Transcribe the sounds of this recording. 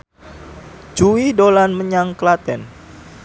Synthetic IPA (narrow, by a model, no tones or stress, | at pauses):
d͡ʒuwidolanməɲaŋkəlat̪ɛn